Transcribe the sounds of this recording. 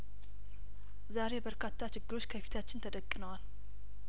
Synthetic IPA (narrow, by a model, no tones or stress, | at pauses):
zaɾe̞bəɾkʰat̪ʰːat͡ʃɪɡːɨɾo̞t͡ʃːkʰəfi̥t̪ʰat͡ʃːɪnt̪ʰəd̪əkʼːnəwal